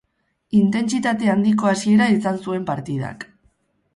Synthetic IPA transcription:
int̪e̞nt͡sit̪at̪e̞and̪iko̞asie̞ɾaisansue̞mpaɾt̪iða̰k

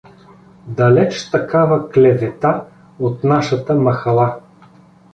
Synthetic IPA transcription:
d̪ɐlɛt͡ʃt̪ɐkavɐklɛvɛt̪a | ot̪naʃɐt̪əmɐxɐlˠa

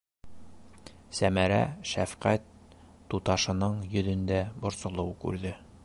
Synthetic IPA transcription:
sæmæɾæ̰ʃæfqæt̪ː | ut̪ɑʃɤ̆nɤɴjɵ̆ðɵ̆nd̪æbŏɾsɤ̆lˠɤwkʉ̰ɾðɘ

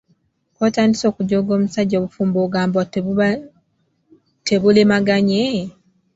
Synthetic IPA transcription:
kwoːtaːndiso̞ːkuɟoːɡo̞ːmusaɟːoːβufuːmboɡaːmbo | teβulemaɡaɲe

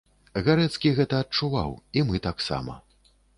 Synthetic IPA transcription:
ɣaɾɛt̪skʲiɣɛt̪ɐːt͡ʂuva̰wimɨt̪aksa̰mɐ̰

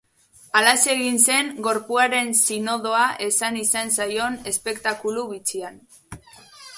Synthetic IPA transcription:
alase̞ɣinse̞ŋɡo̞ɾpuaɾe̞nsino̞ðo̞aʔe̞sanisansajo̞ne̞spe̞kt̪akuluβit͡sian

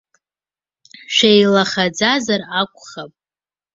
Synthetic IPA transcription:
ʃejlaχad͡zazarakʷʰʼχapʼ

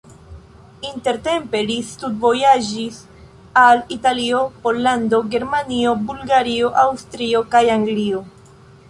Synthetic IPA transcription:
inte̞ɾte̞mpe̞listutvo̞jad͡ʒis | alitalio̞po̞lːando̞ɡe̞ɾmanio̞bulɡaɾio̞ʔawst̪ɾio̞kajaŋɡlio̞

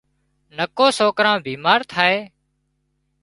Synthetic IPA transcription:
nəkoːsoːkɾãːbʱiːmaːɾt̪ʰaːeː

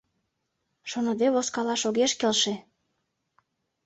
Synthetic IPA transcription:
ʃonɤ̆d̪eβoskɑlɑʃoɣeʃkelʃĕ

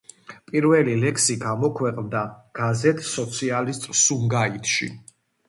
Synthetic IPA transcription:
pʼiɾvɛlilɛkʰsiɡamɔkʰwɛqʼnd̪aɡ̥azɛt̪ʰʼsɔt̪sʰialist̪ʼsumɡait̪ʰʃḭ

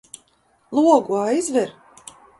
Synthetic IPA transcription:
lˠuɔɡuajizvɛɾ

